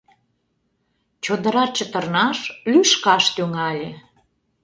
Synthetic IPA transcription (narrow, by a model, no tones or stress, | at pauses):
t͡ɕod̪ə̆ɾɑt͡ɕə̆t̪ərnɑʃlyʃkɑʃt̪yŋɑlʲe